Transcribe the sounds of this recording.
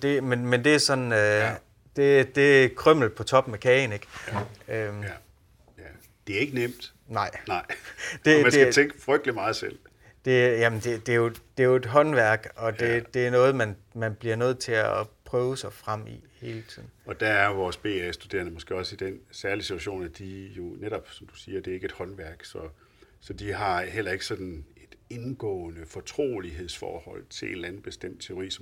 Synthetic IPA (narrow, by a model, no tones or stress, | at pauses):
d̥e̝menmend̥e̝æɐsɒ̽nø | d̥e̝d̥e̝kʰʁœm̰l̩pʰɒ̽t͡sʰɒ̽b̥mekʰɛːne̝ɡ̥øm | d̥e̝æɐe̝ɡ̥ənem̰d̥ | nɑ̈ɪ̰nɑ̈ɪ̰̥e̝mændeæt͡sʰeŋɡ̥əfʁœɡ̥̚d̥əlimɑ̈ːð̩ˠsel̰ | d̥e̝jæmnd̥e̝d̥e̝jo̝d̥e̝jo̝e̝d̥ɦɒ̽nʋæɐ̰ɡ̥ɒ̽d̥e̝d̥e̝æɐnɔ̽ːð̩ˠmænmænb̥liɐnøð̞̰ˠt͡sʰe̝æpʰʁœːʊsɑ̈ɪfʁam̰ḭhe̝ːlət͡sʰið̰ˠn̩ɒ̽d̥æɐæɐʋɒːsb̥e̝̰ːæsd̥ud̥e̝̰ɐnəmɒ̽sɡ̥e̝̰ːɒ̽sid̥ensæɐlisi̥t͡sʰuæɕo̝̰ːnæd̥ijo̝neɾ̥ɒ̽b̥sɒ̽md̥u̥siːɐd̥e̝æɐeɡəe̝d̥hɒ̽nʋæɐɡ̥sɒ̽ | sɒ̽d̥iɦɑ̈ɦel̰ɐe̝ɡ̥ə̥sɒ̽d̥n̩e̝d̥e̝nɡ̥ɔ̰ːnəfɒ̽t͡sʰʁo̝̰ːliɦe̝ð̞̰ˠsfɒ̰ːhɒ̽l̰t͡sʰe̝le̝d̥lænð̩ˠb̥e̝sd̥em̰d̥̚t͡sʰe̝o̝ʁḭːsɒ